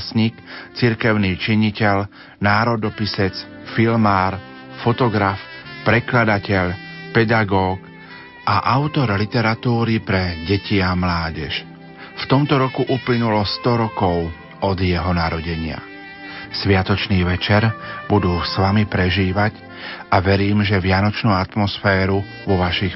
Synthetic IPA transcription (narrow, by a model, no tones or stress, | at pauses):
sɲikt͡siɾkɛʊniːt͡ʃiɲicɛʎ | naːɾɔd̪ɔpisɛt͡s | filmaːɾ | fɔt̪ɔɡɾafpɾɛklad̪acɛʎpɛd̪aɡɔːk | ʔaʔaʊt̪ɔɾlit̪ɛɾat̪uːɾipɾɛɟɛciamlaːɟɛʃ | ft̪ɔmt̪ɔɾɔkuʔuplinulɔst̪ɔɾɔkɔʊ | ɔd̪jɛɦɔnaɾɔɟɛɲɪa̰ | sʋɪat̪ɔt͡ʃniːʋɛt͡ʃɛɾbud̪uːsʋamipɾɛʒiːʋaɟ | aʋɛɾiːmʒɛʋɪanɔt͡ʃnuːat̪mɔsfɛːɾu | ʋɔʋaʃix